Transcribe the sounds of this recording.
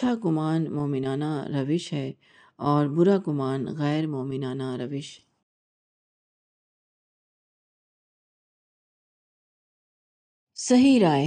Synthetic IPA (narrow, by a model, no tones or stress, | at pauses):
aɡʊmaːnmɔːmɪnaːnaɾɐʋɪʃɦɛ | ɔːɾbʊɾaɡʊmaːnɣɛːɾmoːmɪnaːnaɾɐʋɪʃ | sɐɦiɾaː